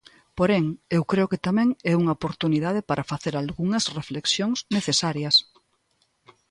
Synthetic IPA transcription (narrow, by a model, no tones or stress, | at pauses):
poɾeŋewkɾeʊket̪amɛ̃ŋɛuŋɐopoɾt̪uniðað̞epaɾʔɐfaθeɾalɣuŋɐsrefleksjoŋsneθesaɾjɐs